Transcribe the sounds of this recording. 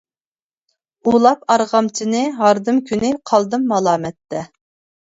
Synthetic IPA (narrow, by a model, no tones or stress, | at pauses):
ulˠɑpɑɾʁɑmt͡ʃʰinɪɦɑɾd̪ɨmkʲʰynɪqʰɑlˠd̪ɨmːɑlˠɑːmɛt̪ʰːɛ